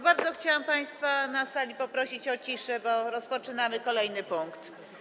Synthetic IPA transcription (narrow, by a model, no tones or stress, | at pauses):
baɾd̪zɔxt͡ɕawampaj̃st̪fanasalʲipɔpɾɔɕit͡ɕɔt͡ɕiʂɛbɔɾɔspɔt͡ʂɘnamɘkɔlɛjnɘpuŋkt̪